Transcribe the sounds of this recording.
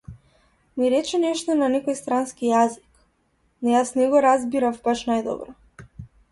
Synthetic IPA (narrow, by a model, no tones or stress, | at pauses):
niɾɛt͡ʃɛnɛʃt̪ɔnanɛkɔjst̪ɾanskijazik | nɔjasnɛɡɔɾazbiɾafbaʃnajd̪ɔ̰bɾɔ